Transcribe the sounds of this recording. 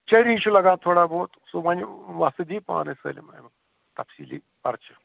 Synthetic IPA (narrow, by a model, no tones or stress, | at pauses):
t͡ʃɐɾiːʃulɐɡãːt̪ʰoːɽaːbʱoːt̪somɐniʋast̪ɨd̪iːpa̰ːnesə̰ːlḭmɐ̰m | t̪ɐpsiːlḭ | pɐɾt͡ʃɐ